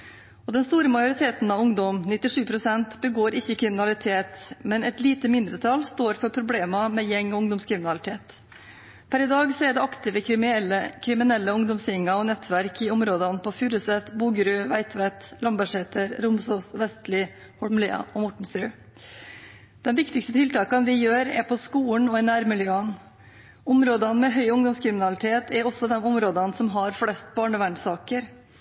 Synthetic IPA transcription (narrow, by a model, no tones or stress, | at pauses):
ɔd̪ɛnst̪uːɾəmɑjʊɾɪt̪ʰeːt̪nɑʋʊŋd̪ɔmnɪt̪ːɪʂʉːpʰɾʊsɛnt̪bəɡoːɾɪçːəkʰɾɪmɪnɑlɪt̪ʰeːt̪mɛnɛt̪liːt̪əmɪnd̪ɾət̪ʰɑlst̪oːɾfɔɾpʰɾʊbleːmɑmɛːjɛŋːɔʊŋd̪ɔmskʰɾɪmɪnɑlɪt̪ʰeːt̪ | pʰæɾɪd̪ɑːɡseːɖɛɑkt̪ɪʋəəkʰɾɪmɪnɛlːəʊŋd̪ɔmsɪŋːɑɔnɛt̪ʰʋæɾkʰɪʊmɾoːd̪ɑnpʰɔfyːɾʉsɛt̪buːɡɾʉʋæɪt̪ʰʋɛt̪lɑmbæʂɛt̪ʰəɾɾʊmsoːsʋɛst̪lɪ | hɔlmlḛːɑ̰ʔɔmɔʈɳ̩st̪ɾʉː | d̪̥ɛmʋɪkt̪ɪkst̪ət̪ɪlt̪ʰɑːkɑnʋɪjøːɾæ̰ɾpʰɔskuːəɳɔɪnæːɾmɪljøːən | ʊmɾoːd̪ɑnmɛɦœʏʊŋd̪ɔmskʰɾɪmɪnɑlɪt̪ʰeːt̪ʰɛɾɔsːɔd̪ɛmʊmɾoːd̪ɑnsɔmɦɑɾflɛst̪̚bɑːɳəʋæɳsɑːkəɾ